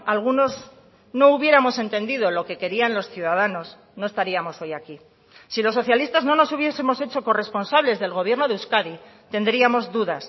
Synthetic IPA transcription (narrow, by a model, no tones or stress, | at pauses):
alɣ̞uno̞z | no̞uβje̞ɾamo̞se̞nt̪e̞nd̪iðo̞lo̞ke̞ke̞ɾianlo̞sθjuðaðano̞s | no̞e̞st̪aɾiamo̞so̞jaki | silo̞s̬ːo̞θjalist̪azno̞no̞suβje̞se̞mo̞se̞t͡ʃo̞ko̞re̞spo̞nsaβle̞zðe̞lɣo̞β̞je̞ɾno̞ðeuskaði | t̪e̞nd̪ɾiamo̞zðuðas